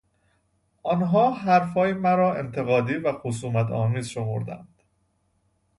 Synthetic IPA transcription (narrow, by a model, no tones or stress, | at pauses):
ʔɒnɦɒːɦæɾfɒːjemæɾɒːʔe̞̰nt̪ʰe̞ɣɒːd̪iːvæxos̬uːmæt̪ʰɒ̰ːmiːzʃo̞mo̰ɾd̪æ̰nd̪̥